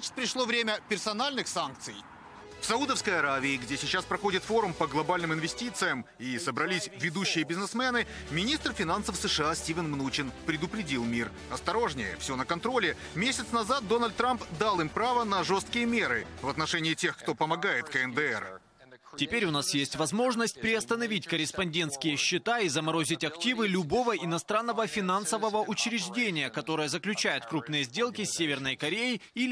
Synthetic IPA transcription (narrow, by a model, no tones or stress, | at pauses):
at͡ɕɪ̥t̪̚pɾʲɪʂlˠo̞vɾʲemʲəpʲɪrsɐnalʲnɨxsank̚t̪sɨj | fsɐud̪əfskəjɐɾavʲɪːɡdʲesʲɪt͡ɕːaspɾɐxo̞dʲɪt̪fo̞ɾʊmpəɡlˠɐbalʲnɨmɪnvʲɪsʲtʲit̪sɨjəmisəbɾɐlʲisʲvʲɪd̪uɕːɪjəbʲɪznɨsmʲenɨ | mʲɪnʲist̪rfʲɪnansəfsɨʂɨasʲtʲivʲɪnmnut͡ɕɪnpɾʲɪd̪ʊpɾʲɪdʲilˠmʲir | ɐst̪ɐɾo̞ʐnʲɪjə̰fsʲonəkɐnt̪ɾo̞lʲɪ | mʲesʲɪt̪snɐzat̪̚d̪o̞nəlʲt̪̚ːɾampd̪alˠɨmpɾavənɐʐo̞st̪kʲɪjəmʲe̞ɾɨvɐt̪nɐʂɛnʲɪːtʲe̞xkt̪o̞pəmɐɡajɪt̪kəɛnd̪ɨɛ̰r | tʲɪpʲeɾʲʊnasjesʲtʲvɐzmo̞ʐnəsʲt̚ʲpɾʲɪɐst̪ənɐvʲitʲkəɾʲɪspɐnʲdʲe̞nt̪skʲɪjəɕːɪt̪aizəmɐɾo̞zʲɪtʲɐktʲivɨlʲʊbo̞vəɪnɐst̪ɾanːəvəfʲɪnansəvəvəʔʊt͡ɕɾʲɪʐdʲenʲɪjəkɐt̪o̞ɾɨjəzəklʲʉt͡ɕæjʊt̪kɾupnɨjəzʲdʲe̞lˠkʲɪsʲːevʲɪrnəjkɐɾʲejɪi